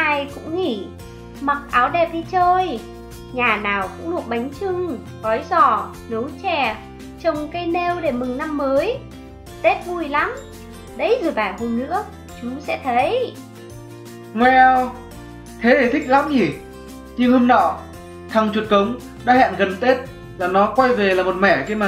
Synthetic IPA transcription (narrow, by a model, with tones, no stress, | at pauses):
ʔaː˧jkʊ̰˧˥ŋ͡mŋḭ˧˩ | ma˨˩k̚ʔaː˨˦wɗɛ˨˩p̚ɗi˧t͡ɕəː˧j | ɲaː˨˩naː˨˩wkʊ̰˧˥ŋ͡mlu˧˩ək̚ɓa˨˦jŋ̟t͡ɕɨ˧ŋ | ɣɔ˨˦jzɔ˧˩ | no˨˦wt͡ɕɛ˧˩ | t͡ɕə˨˩wŋ͡mkə˧jne˧wɗe˧˩mɨ˨˩ŋna˧mːəː˨˦j | t̪e˦˥t̚vu˧˩jla˨˦m | ɗə˨˦jzɨ˧˩jɓaː˧˩vʊ˨˩mnɨ̰˧˥ə | t͡ɕʊ˨˦ŋ͡msɛ̰˧˥t̪ʰə˨˦j | ŋwɛ˧w | t̪ʰe˨˦ɗe˧˩t̪ʰï˦˥k̚la˨˦mzi˨˩ | ɲɨ˧ŋhə˧nːɔ̰˧˨ | t̪ʰa˨˩ŋt͡ɕwu˨˩t̚kə˨˦wŋ͡m | ɗa̰ː˧˥hɛ̰ː˧˨nɣə˨˩nt̪e˦˥t̚ | laː˨˩nɔ˨˦kwa˧jve˨˩laː˨˩mo˨˩t̚mɛ˧˩xi˧maː˨˩